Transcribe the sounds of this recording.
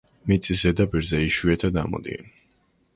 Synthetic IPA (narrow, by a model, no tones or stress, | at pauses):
mit̪sʼisɛd̪apiɾzɛiʃiɛt̪ʰad̪a̰mɔ̰d̪ḭɛn